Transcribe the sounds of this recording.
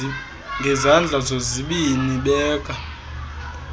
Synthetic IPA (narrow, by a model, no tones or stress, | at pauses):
ŋɡʱɛzand͡ɮʱazoziɓiniɓɛːkʰʼa